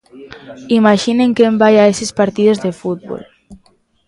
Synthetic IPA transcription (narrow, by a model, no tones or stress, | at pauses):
imaʒineŋkembajaesespaɾt̪iðozðefut̪̚bo̰l